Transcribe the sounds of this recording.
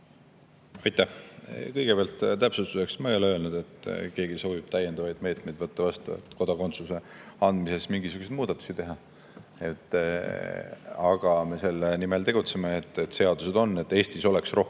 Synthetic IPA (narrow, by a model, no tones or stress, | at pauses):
ɑjt̪ˑːæhkɤjɡ̥epeɑlt̪ˑt̪æpsust̪use̞ksmɑejo̞leø̞ːlnud̪̥e̞t̪ːˑke̞ːɡ̥iso̞ːvib̥̚t̪æjend̪ɑvɑjd̪̥me̞ːt̪me̞jd̪vɤt̪ːɑvɑst̪ṵḛt̪ːˑko̞d̪ɑko̞nt̪suse̞ | ɑnd̪̥mise̞smiŋɡisuɡ̥usejd̪̥̚muːd̪ɑt̪ːˑu̥sit̪e̞ɦɑ | e̞t̪ːˑ | ɑɡ̥ɑme̞se̞lːenimelt̪e̞ɡ̥ut̪semeːt̪ːˑet̪se̞ɑd̪use̞d̪o̞nːe̞t̪ːˑe̞ːsʲt̪iso̞leksro̞h